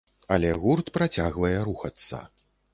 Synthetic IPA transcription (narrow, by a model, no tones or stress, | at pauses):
ɐlʲɛɣurt̪pɾat͡sʲaɣvɐjɛɾuxɐt̪sːɐ̰